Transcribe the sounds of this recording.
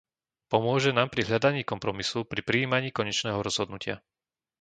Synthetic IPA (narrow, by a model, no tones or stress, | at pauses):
pɔmʊɔʒɛnaːmpɾiɦʎad̪aɲiːkɔmpɾɔmisupɾipɾiːmaɲiːkɔɲɛt͡ʃnɛːɦɔɾɔz̥ɦɔd̪nucɪa